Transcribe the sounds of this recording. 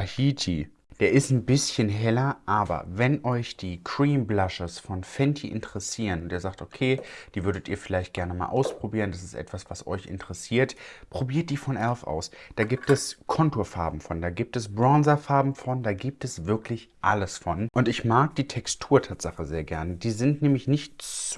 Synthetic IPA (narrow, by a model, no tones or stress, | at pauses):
ʔahiːtʰi | d̥eːɐʔɪstn̩bɪsçənɦɛlɐʔaːbɐ̰vɛnʔɔʏçd̥iːkʰʁ̥iːmblaʃəsfɔnfɛntʰiʔɪ̰ntəʁɛsiːʁənʊntiːɐzaːktokʰeːd̥iːvʏɐɾətiːɐfɪlaɪçt̚ɡ̥ɛɐnəma̰ːlʔa̰ʊspʁ̥obiːʁəndasɪstʔɛ̰tv̥asv̥asʔɔ̰ʏçɪ̰ntʰəʁɛsiːɐtpʁ̥obiːɐt̚d̥iːfɔnʔɛlfʔa̰ʊsd̥aːɡiːp̚tɛskʰɔntoːɐfaɐbm̩fɔndaːɡiːp̚tɛsbʁanzɐfaɐbm̩fɔndaːɡiːp̚tɛsv̥ɪɐklɪçʔaləsfɔnʔʊntɪçmaːk̚d̥iːtʰɛkstʰuːɐtʰaːtz̥aχəzeːɐɡɛɐnəd̥iːzɪntnɛːmlɪçnɪçtt͡s